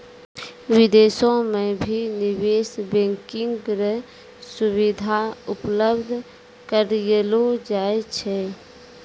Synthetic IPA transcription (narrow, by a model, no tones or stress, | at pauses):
wɪd̪eːsõmẽbʱinɪweːsbẽːŋkɪŋɡɾe | sʊwid̪ʱaʊpləbd̪ʱ | kəɾlod͡ʒaːet͡ʃʰɛ